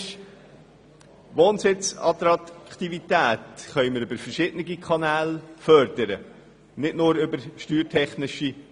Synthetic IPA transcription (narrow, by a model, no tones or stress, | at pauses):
ʃ | ʋoːnsɪt͡sɑ̰t̪ɾɑkt̪ivit̪æːt̪χœʏməɾʏbəɾfəɾʃɪd̥ənɪɡikʰɑnæːlfœɾd̥̪əɾə | nɪdnʊːɾʏbəɾʃtyːɾtʰɛχnɪʃi